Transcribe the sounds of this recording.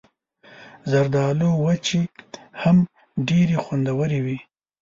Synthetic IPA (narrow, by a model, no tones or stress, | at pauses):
zaɾd̪ɑlowat͡ʃeham | ɖeɾexwand̪awəɾewi